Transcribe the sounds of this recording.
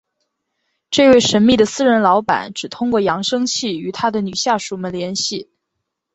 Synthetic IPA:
ʈ͡ʂɤ˥˧ɪwe˥˩ɪʂə˧˥nmi˥˩d̪ə˩sɹ̩˥˧ɻə˧˥nlɑ˧˥ʊpa̰˨˩˦nʈ͡ʂɻ̩˨˩t̪ʰʊ˥ŋkwɔ˥˩jɑ˧˥ŋʂɤ˥ŋt͡ɕʰi˥˩y˧˥t̪ʰa˥d̪ə˨ny˨˩ɕja˥˩ʂu˨˩mə˥˨nljɛ˧˥nɕi˥˩

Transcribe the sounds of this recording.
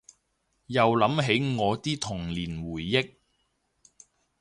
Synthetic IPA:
jɐ˨wlɐ˨˥mɦe˨˥jŋɔː˨˧t̪iː˥t̪ʰʊ˨˩ŋliː˨˩nwuː˨˩jːɪ˥k̚

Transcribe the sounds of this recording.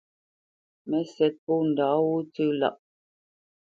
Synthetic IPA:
mɛ˦sɛ˨˦t̚pu˦˨n̩˨da˨˦wu˦t͡sʉ˦la̰˦˨ʔ

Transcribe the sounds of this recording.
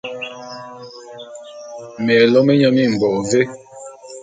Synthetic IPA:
mɛ˨lɔ˦me˦ɲɔ˦mi˦˨m̩˨bɔ˨ve˦

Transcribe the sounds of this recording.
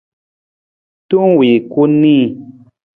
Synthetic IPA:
tu˦ŋwi˨ku˦nĩ˦

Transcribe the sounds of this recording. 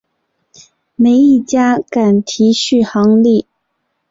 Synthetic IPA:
me˧˥ɪi˥˩t͡ɕja˥ka˨˩nt̪ʰi˧˥ɕy˥˩xɑ˧˥ŋli˥˩

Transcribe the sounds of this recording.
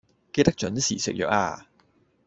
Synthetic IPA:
ke˧jt̪ɐ˥k̚t͡ʃɵ˨˥nsḭː˨˩sɪ̰˨k̚jœ̰ː˨k̚a̰ː˧

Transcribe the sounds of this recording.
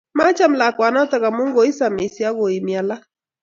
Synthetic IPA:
ma˦t͡ʃa˦m̩˦la˨kwa˨na˦ta˦ka˨mu˦ŋɡɔ˨˦i˦sa˨mi˨si˨˦a˦ɣɔ˨i˨mi˨a˨la˦

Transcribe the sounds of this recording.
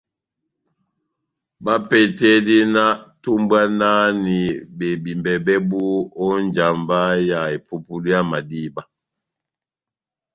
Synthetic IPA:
ba˦pɛ˨tɛ˦di˦na˦tu˦mbwa˦na˦ni˨be˨bi˨mbɛ˨bɛ˦bu˦ɔ˦nd͡ʒa˨mba˦ja˨e˨pu˦pu˦li˦ja˦ma˨di˦˨ba˦

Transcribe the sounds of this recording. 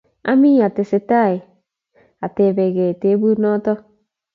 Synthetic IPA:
a̰˦mi˦a˨te˨sɪ˨ta˦˨e˨ | a˨te˨βe˨ɣe˨te˨˦bu˦nɔ˦tɔ˦

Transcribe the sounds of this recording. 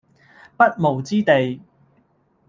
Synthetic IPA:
pɐ˥t̚mo˨˩wt͡siː˥t̪e˨j

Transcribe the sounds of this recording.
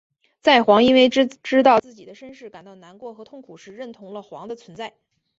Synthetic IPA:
t͡sa˥˩ɪxwɑ˧˥ŋi˥nwe˥˧ɪʈ͡ʂɻ̩˥t̪ɑ˥˧ʊt͡sɹ̩˥˩t͡ɕi˨˩d̪ə˦ʂə˥nʂɻ̩˥˩ka˨˩nt̪ɑ˥˩ʊna˧˥nkwɔ˥˩xɤ˧˥t̪ʰʊ˥˩ŋkʰu˨˩ʂɻ̩˧ɻə˥˩nt̪ʰʊ˧˥ŋlə˧xwɑ̰˧˥ŋd̪ə˧t͡sʰwə˧˥nt͡sa˥˩ɪ

